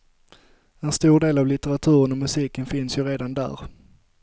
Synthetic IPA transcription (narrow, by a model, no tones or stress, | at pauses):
ɛnst̪uːɖeːlavlɪt̪ɛɾat̪ʰʉ̟ːɾənɔmɵsiːkənfɪnsjɵɾeːd̪and̪æ̰ːɾ